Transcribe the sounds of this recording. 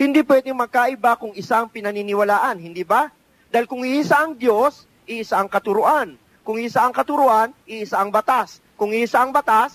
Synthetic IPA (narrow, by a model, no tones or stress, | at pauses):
hɪnd̪iːpwɛd̪ɪŋmɐɡ̚kaʔɪbakʊŋʔɪsaʔɐŋpɪnɐninɪwɐlaːʔɐnhɪnd̪iːba | d̪aːɪlkʊŋɪʔisaʔɐŋd̪jo̞s | ʔɪʔɪsaʔɐŋkɐt̪ʊɾʊʔan | kʊŋɪsaʔɐŋkɐt̪ʊɾʊʔanʔɪʔɪsaʔɐŋbɐt̪as | kʊŋɪʔsaʔɐŋbɐt̪as